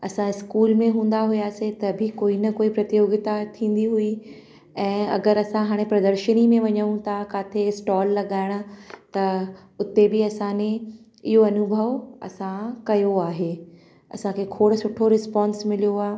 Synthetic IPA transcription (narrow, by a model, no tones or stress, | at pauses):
ɐsãɪskuːlmẽɦũːn̆d̪aɦʊjaːset̪ɐbʱɪkoːinɐkoːipɾɐt̪ijoːɡɪt̪at̪ʰĩːn̆d̪iɦui | ɛ̃ːɐ̰ɡəɾɐsãɦaːɽ̃epɾɐd̪əɾʃənimẽʋɐɲə̃ũt̪ʰakaːt̪ʰesʈɔːlːɐɠaːɪɽ̃ʊ̆t̪ɐ | ʊt̪ebɪɐsãnẽ | ɪɦoɐnʊbʱəʋɐ̰sãkɐjoaːɦeː | ɐ̰sãkʰekʰoːɽ̆sʊʈʰoɾɪspãːnsmɪlijoaːe